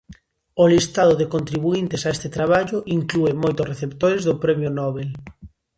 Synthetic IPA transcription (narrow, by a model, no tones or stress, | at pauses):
ʊlist̪aðʊðekont̪ɾiβuint̪ɪsaest̪ɪt̪ɾaβaʎʊʔiŋkluemojt̪ʊsreθept̪oɾezðʊpɾɛmjʊnɔβel